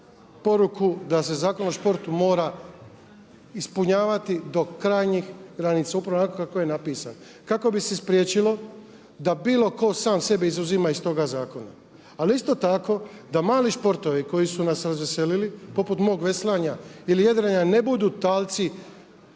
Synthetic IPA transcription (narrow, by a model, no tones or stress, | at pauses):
po̞ɾukud̪as̬e̞zaːko̞noʃpo̞ɾt̪umo̞ːɾa | ispuɲaːʋat̪id̪o̞kɾaːjɲixɡɾanit̪saupɾaʋonakokakojenapiːsa̰n | kako̞bise̞spɾjet͡ʃilo̞ | d̪abiːlˠo̞ko̞saːmse̞beizuzimaist̪o̞ɡazaːko̞na̰ː | liist̪o̞t̪ako̞d̪amaːliʃpo̞ɾt̪o̞ʋiko̞jisunasɾazʋese̞lilipo̞put̪mo̞ːɡʋe̞slaɲailijad̪ɾaɲane̞bud̪uːt̪aːlt̪si